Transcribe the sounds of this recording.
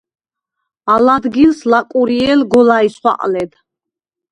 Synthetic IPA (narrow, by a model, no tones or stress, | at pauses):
alad̪ɡilslakʼuɾiɛlɡɔlaisχwa̰qʼlɛd̪